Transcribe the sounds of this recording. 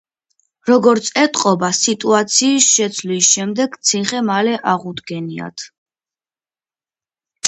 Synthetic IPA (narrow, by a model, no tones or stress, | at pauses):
ɾɔɡɔɾt̪sʼɛt̪ʼqʼɔbasit̪ʼuat̪sʰiːsʃɛt̪sʰlisʃɛmd̪ɛɡt̪sʰiχɛmalɛʔaʁud̪ɡɛnia̰t̪ʰ